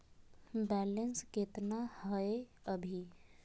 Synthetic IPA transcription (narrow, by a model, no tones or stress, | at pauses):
bɛlənsket̪nahəeəbʱi